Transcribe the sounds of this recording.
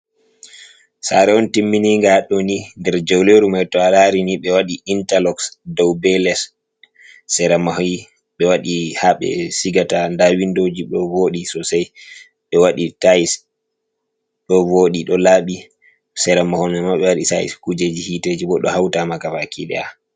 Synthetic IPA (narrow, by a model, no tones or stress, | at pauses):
sa̰ɾɛɔntimːiniŋɡaɗɔnindɛɾd͡ʒawleɾumajtɔalaɾiniɓɛwaɗiintalɔksdɔwbɛlɛsː | ɛɾamaɦɔj | ɓɛwaɗihaɓɛ̰siɡatandawindod͡ʒiɗɔvoɗisɔsaj | ɓɛwaɗitais | ɗɔvoɗiɗɔlaɓi | sɛɾamahɔnɛmaɓɛwaɗisaḭskud͡ʒed͡ʒihited͡ʒiɓɔɗːɔhawtamakafakiɗɛ̰a